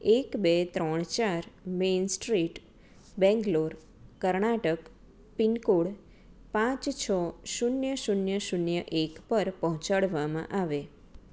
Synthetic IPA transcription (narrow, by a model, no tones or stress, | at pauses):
ekbet̪ɾɔɳ̃t͡ʃaɾmensʈɾiʈ | bɛ̃ŋɡloɾ | kəɾɳaʈək | pinkoɽ | pãt͡ʃt͡ʃʰɔʃunjəʃunjəʃunjəʔekpəɾpəɦɔ̃t͡ʃaɽʋamã̰ʔaʋe